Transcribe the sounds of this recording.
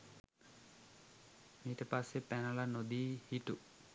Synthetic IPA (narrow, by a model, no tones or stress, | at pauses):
miːʈəpasːepɛnalanod̪iːhiʈu